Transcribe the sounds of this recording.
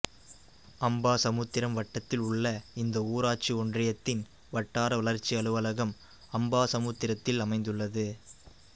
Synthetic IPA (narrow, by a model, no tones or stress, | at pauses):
ɐmbaːsɐmuːt̪ːɪɾɐmʋɐʈːɐt̪ːɪlʊɭːɐɪnd̪ɐuːɾaːʈ̚t͡ʃiɔndrɪjɐt̪ːɪn | ʋɐʈːaːɾɐʋɐɭɐɾt͡ʃːiɐɭɯʋɐlɐɣɐm | ɐmbaːsɐmuːt̪ːɪɾɐt̪ːɪlɐmɐɪnd̪ɯɭːɐðɯ